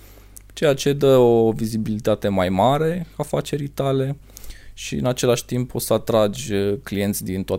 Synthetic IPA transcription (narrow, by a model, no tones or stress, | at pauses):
t͡ʃe̞jat͡ʃe̞d̪əo̞vizibilit̪at̪e̞majmaɾe̞afat͡ʃe̞ɾijt̪ale̞ | ʃiɨ̰nat͡ʃe̞laʃʲt̪impʰo̞səat̪ɾad͡ʒʲklije̞nt̪sʲd̪int̪oa